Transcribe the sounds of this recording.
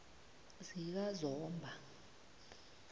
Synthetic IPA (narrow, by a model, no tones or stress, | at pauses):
zik̬azɔːmbʱa